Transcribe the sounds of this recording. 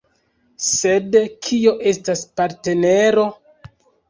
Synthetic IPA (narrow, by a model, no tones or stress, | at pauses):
se̞dkʰio̞ʔe̞staspaɾte̞ne̞ɾo̞